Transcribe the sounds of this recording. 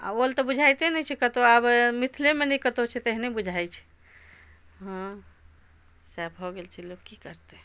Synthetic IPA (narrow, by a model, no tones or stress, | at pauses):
a̰olt̪ɔbud͡ʒʱajt̪enɛt͡ʃʰɛkət̪oabmit̪ʰlemenɛkət̪ot͡ʃʰɛt̪eɦnebud͡ʒʱajt͡ʃʰɛ̥ | ɦə̃ | sabɦɔɡelt͡ʃʰɛlokkːikəɾt̪e